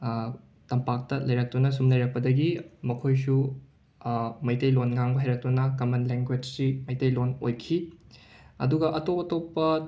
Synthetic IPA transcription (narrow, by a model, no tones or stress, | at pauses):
tɐmpak̚tɐlɐjɾɐk̚tunɐsumlɐjɾɐk̚pɐdɐɡimɐkʰojsu | mɐjtɐjlonŋaŋbɐɦajɾɐk̚tunɐkɐmɐnleŋɡwed͡ʒsimɐjtɐjlono̰jkʰi | ɐ̰duɡɐʔɐtopɐtopːɐ